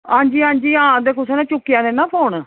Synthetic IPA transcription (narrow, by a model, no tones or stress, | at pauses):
ãːɲd͡ʒiːãːnd͡ʒiːãːd̪eːkʊseːnãːt͡ʃʊkːɪjãːnẽːnãːpʰoːɳ